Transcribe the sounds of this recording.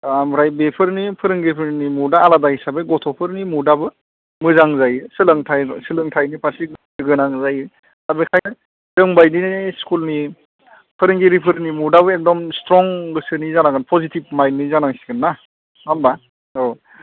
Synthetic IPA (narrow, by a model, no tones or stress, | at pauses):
amɾajbepʰɯɾnipʰɯɾɯŋɡepʰɯɾnimudaːladahisabeɡɔtʰɔpʰɯɾnimudabɯ | mɯzaŋzajɯsɯlɯŋtʰajsɯlɯŋtʰajnipʰaɾsi | ɯɡɯnaŋzaj | abekʰajnɯ | z̥ɯŋbajninskulni | pʰɯɾɯŋɡeɾipʰɯɾnimudaβɯek̚dɔmstɾɔŋɡɯsɯnizanaɡɯnpʰɔzitib̚majnːizanaŋsi̥ɡɯnːa | ŋamba | o